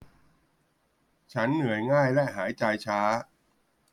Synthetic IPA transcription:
t͡ɕʰa˦˥nːɯ˩˦əjŋaː˥˩jlɛ˦˥ʔɦaː˩˦jt͡ɕa˧jt͡ɕʰaː˦˥

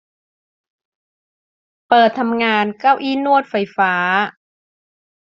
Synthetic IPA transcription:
pɤː˨˩t̪ʰːa˧mŋaː˧nkaː˥˩wʔiː˥˩˨nu˥˩ət̪̚fa˧jfaː˩˦˥

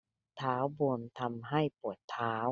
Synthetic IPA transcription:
t̪ʰaː˩˦˥wbu˧əmt̪ʰa˧mɦa˥˩jpu˨˩ət̪ʰːaː˩˦w

